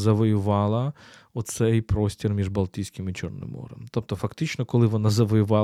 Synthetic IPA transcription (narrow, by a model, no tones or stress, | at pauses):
zɐʋɔjʊʋɑlˠɐ | ɔt̪sɛjpɾɔsʲtʲirmʲiʒbɐlˠt̪ʲijsʲkʲɪmɪt͡ʃɔ̰rnɪ̰mɔ̰ɾɛ̰mt̪ɔp̚t̪ɔfɐkt̪ɪt͡ʃnɔkɔlˠɪʋɔnazɐʋɔjʊʋɑ